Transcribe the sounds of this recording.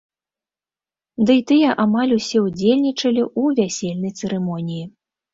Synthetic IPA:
d̪ɨit̪ɨjɐʔamalʲusʲɛud͡zʲelʲnʲit͡ʂɐlʲiʔuvʲasʲelʲnɐjt̪sɨɾɛmɔnʲiji

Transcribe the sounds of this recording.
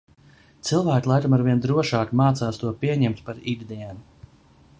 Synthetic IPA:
t̪sɨlˠvæːkulˠajt̪amaɾviɛnd̪ɾuɔʃaːkmaːt̪saːst̪uɔpiɛɲɛmt̪paɾidd̪iɛn

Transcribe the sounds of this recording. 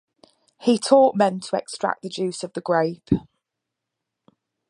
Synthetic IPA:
hitʰɔˑʔmɛ̃ntʰəɛ̰kstɹ̥a̰k̚ðəd͡ʒʉˑsəvðəɡɹeɪp

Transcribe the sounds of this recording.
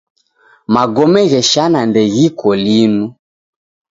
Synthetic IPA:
maɡɔmɛɣɛʃanandɛɣikɔlinu

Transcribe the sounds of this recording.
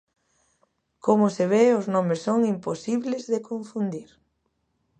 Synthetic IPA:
komʊseβ̞eʊznomɪsːoŋimposiβlezðekoɱfund̪iɾ

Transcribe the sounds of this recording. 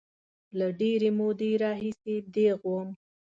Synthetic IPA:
laɖeɾemod̪eɾɑɦised̪eɣwəm

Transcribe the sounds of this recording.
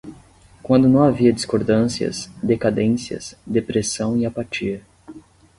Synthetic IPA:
kwɐ̃nd̪ʊnɐ̃w̃aviɐd͡ʒiskoɾd̪ɐ̃siɐ̰sd̪ekad̪ẽsiɐ̰sd̪epɾesɐ̃w̃iapat͡ʃiɐ

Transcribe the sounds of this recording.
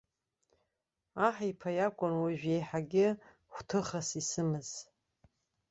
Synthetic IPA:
aħipʰajakʷʼʊnwaʒᶣe̞jħaɡʲɪ | χʷtʰɨχasisɨmɨz̥

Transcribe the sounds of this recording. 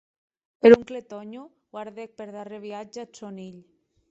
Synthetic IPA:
peɾuŋklet̪ɔɲuɣwaɾðek̚peɾðareβ̞iad͡ʒasoniʎ

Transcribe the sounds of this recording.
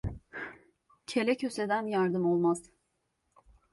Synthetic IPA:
cʰe̞lʲɛcʰøsed̪ænjaɾd̪ɯmo̞lˠmaz̥

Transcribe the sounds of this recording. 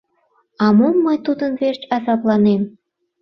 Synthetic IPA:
ɑmomːəjt̪ud̪ənβert͡ɕɑzɑplɑnem

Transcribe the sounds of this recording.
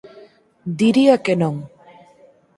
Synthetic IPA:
d̪iɾiakenõŋ

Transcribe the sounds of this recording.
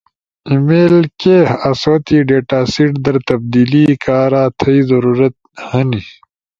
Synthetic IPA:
imeːlkehɐswɐt̪iːɖeːʈaːsiʈd̪ɐɾt̪ɐb̚d̪iːliːkaːɾaːt̪ʰɐizɐɾuːɾɐt̪̚hɐni

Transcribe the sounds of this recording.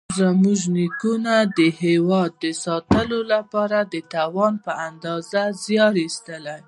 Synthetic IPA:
zəmuʒnikunad̪əhewɑd̪̚ːəsɑt̪əlolapɑɾad̪ət̪ɑwɑnpəand̪ɑzazjɑɾist̪əlaj

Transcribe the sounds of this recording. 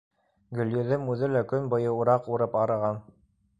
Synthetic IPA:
ɡɵ̆ljɵ̆ðɘmʉðɘlækɵnbɤ̆jɤuɾɑquɾɤpɑɾɤ̆ʁɑn

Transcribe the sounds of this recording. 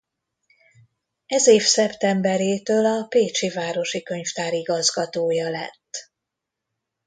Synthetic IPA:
ɛzeːfsɛpt̪ɛmbɛɾeːt̪øːlɒpeːt͡ʃivaːɾo̞ʃikø̞ɲft̪aːɾiɡɒzɡɒt̪oːjɒlɛ̰t̪ː

